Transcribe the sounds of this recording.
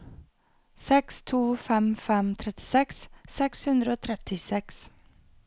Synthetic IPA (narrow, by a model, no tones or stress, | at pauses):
sɛkst̪ʰuːfɛmfɛmt̪ʰɾɛt̪ɪ̥sɛkssɛkshʉnd̪ɾəoːt̪ʰɾɛt̪ɪsɛks